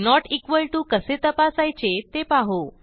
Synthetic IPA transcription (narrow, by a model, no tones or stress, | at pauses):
nɔʈikʋəɭʈukəset̪əpasajt͡ɕet̪epaɦo